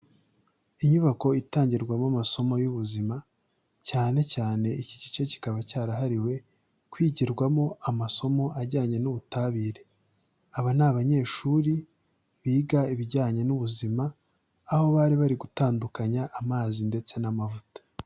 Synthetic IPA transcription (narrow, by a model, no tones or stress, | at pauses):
iɲuβako̞itaːɲɟiɾɡwamamaso̞mo̞juβuzima | caːne̞caːne̞icici̥t͡ʃe̞ci̥kaβacaːɾaɦaɾiwe̞ | kwiːɟiɾɡwamo̞amaso̞mo̞ʔaɾɟaːɲe̞nuβutaβiːɾe̞ | aβanaβaɲe̞ːʃuɾi | βiːɡaiβiɟaːɲenuβuzimaː | ho̞βaɾiβaɾiɡutaːndukaɲaʔːmaːzinde̞t͡se̞namavutḁ